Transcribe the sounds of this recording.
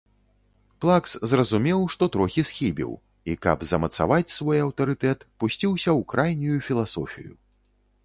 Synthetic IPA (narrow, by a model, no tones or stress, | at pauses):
plˠakszrɐzumʲɛwʂt̪ɔt̪ɾɔxʲisxʲibʲḭw | ikɐ̰bzɐmɐt̪sa̰vat͡sʲsvɔjɐwt̪ɐɾɨt̪ɛt̪pusʲt͡sʲiwsʲɐwkɾajnʲujufʲilˠasɔfʲḭjṵ